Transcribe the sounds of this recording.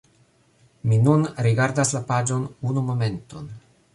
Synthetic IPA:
minunɾiɡaɾdaslapad͡ʒo̞nunumo̞me̞nto̞n

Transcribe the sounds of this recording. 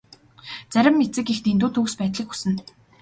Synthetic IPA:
t͡sæɾʲɪ̆mːet͡sɘ̆kext̪ent̪uːt̪ʰuːkspæːt̪ɮĭku̥sɘ̆n

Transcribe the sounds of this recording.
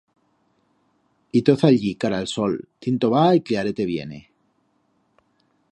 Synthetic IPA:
it̪oθaʎikaɾaelsolt̪int̪oβaikliaɾet̪eβjḛnḛ

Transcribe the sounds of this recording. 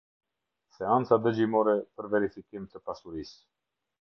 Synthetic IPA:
sɛant͡sad̪əd͡ʒimɔɾɛpəɾvɛɾifikimt̪əpasuɾis

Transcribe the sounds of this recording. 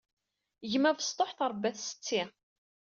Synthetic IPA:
ʝmævəst̪ˤoħθɾˤbæθsə̥t͡sːi

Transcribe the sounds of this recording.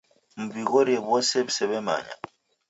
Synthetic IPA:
m̩biɣoɾiebɔsebusɛβɛma̰ːɲa̰

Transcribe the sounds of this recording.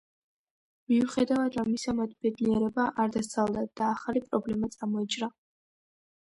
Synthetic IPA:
miuχɛd̪avad̪ɾamːisamat̪̚ʰbɛd̪niɛɾɛbaʔaɾd̪ast̪ʰalˠd̪ad̪̥aːχalipʼɾɔblɛmat̪sʼamɔit͡ʃʼɾa

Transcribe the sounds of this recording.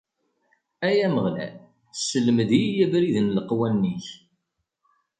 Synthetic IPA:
æjæməʁlæ̰ | səlməd̪ijæbɾiðnləqwænːiç

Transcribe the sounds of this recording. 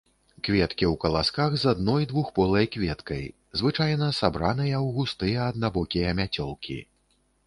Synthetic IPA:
kvʲɛt̪kʲiwkɐlˠaskaɣzad̪nɔjd̪vuxpɔlˠɐjkvʲɛt̪kɐj | zvɨt͡ʂajnɐsabɾanɨjɐwɣust̪ɨjɐːd̪̚nabɔkʲijɐmʲat͡sʲɔlˠkʲḭ

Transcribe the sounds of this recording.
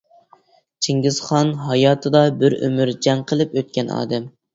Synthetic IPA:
t͡ʃʰiŋɡʲɪz̥χɑnɦɑjɑːt̪ʰɨd̪ɑbɪɾø̰myɾd͡ʒɛŋqʰəlˠɨpøt̪̚kʲɛnɑ̰ːd̪ɛm

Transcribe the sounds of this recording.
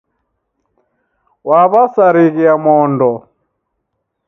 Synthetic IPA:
waβasaɾiɣiamɔːndɔ

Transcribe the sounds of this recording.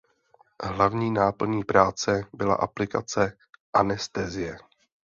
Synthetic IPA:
ɦlavɲiːnaːpl̩ɲiːpɾaːt͡sɛbɪla̰ʔaplɪka̰t͡sɛ | ʔanɛst̪ɛːzɪjɛ

